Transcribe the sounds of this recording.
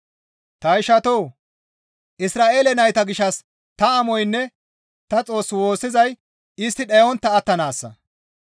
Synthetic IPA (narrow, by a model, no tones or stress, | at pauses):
t̪ɐjɪʃɐt̪oː | ʔɪsɾaːʔe̞ːlɛnɐjt̪ɐɡɪʃːɐs | t̪ɐːmɔjnːɛ | t̪ɐt͡sʼo̞ːsːwo̞ːsːɪzɐj | ɪst̪ːɪɗewɔnt̪ːɐːt̪ːɐnaːsːɐ̰